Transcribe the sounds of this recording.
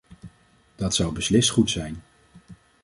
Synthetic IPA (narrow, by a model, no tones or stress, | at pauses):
d̥ɑtsʌwbəslɪstχutsɛjn